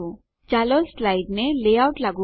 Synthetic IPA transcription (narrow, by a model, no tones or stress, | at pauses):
o | d͡ʒaloslaɪɖnelejaʊʈlaɡu